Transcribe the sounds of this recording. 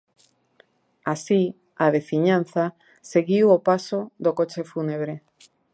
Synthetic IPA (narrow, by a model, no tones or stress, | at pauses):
asi | aðefiɲan̟θa | seɣiwopasoðokot͡ʃefuneβ̞ɾe